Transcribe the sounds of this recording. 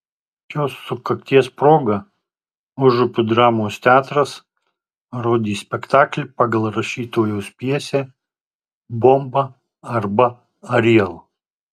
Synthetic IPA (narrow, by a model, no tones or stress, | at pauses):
joːsːʊkɐkt̪ʲiɛspɾoːɡɐ | ʊʒʊpʲʊd̪ɾɑːmoːst̪ʲɑːt̪ɾɐs | ɾoːd̪ʲiːsʲpʲɛkt̪ɑːklʲɪpɑɡɐlˠɾɐʃʲiːt̪oːjoːspʲiɛsʲe | bombɐ | ɐɾbɐ | ɐɾʲiɛlˠ